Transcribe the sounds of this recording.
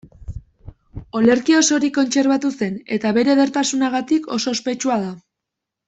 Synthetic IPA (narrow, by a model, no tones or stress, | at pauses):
o̞le̞ɾkio̞so̞ɾiko̞nt͡se̞ɾβat̪use̞ne̞t̪aβe̞ɾe̞ðe̞ɾt̪asunaɣ̞at̪ikʰo̞so̞ːspe̞t͡ʃuað̞a